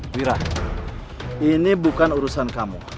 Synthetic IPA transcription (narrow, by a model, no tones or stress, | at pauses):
wiɾa | inibukanuɾusankamṵ